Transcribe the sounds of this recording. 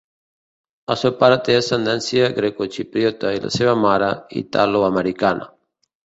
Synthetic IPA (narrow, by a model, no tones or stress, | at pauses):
asopaɾat̪easand̪ansjaɡɾekot͡ʃipɾjot̪aila̰seβamaɾaḭt̪a̰loameɾikanʔa̰